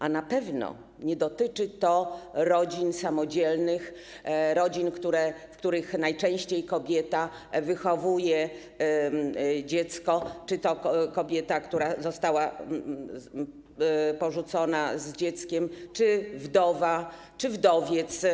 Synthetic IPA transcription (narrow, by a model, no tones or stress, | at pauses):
ʔanapɛvnɔ̰ | ɲɛd̪ɔt̪ɘt͡ʂɘt̪ɔɾɔd͡ʑinsamɔd͡ʑɛlnɘxɾɔd͡ʑinkt̪uɾɛfkt̪uɾɘxnajt͡ʂɛ̃w̃ɕt͡ɕejkɔbʲjɛt̪a | vɘxɔvujɛ | d͡ʑɛt̪skɔt͡ʂɘt̪ɔkɔbʲjɛt̪akt̪uɾazɔst̪awa | pɔʐut̪sɔnazd͡ʑɛt̪skʲɛmt͡ʂɘvd̪ɔva | t͡ʂɘvd̪ɔvʲjɛt̪s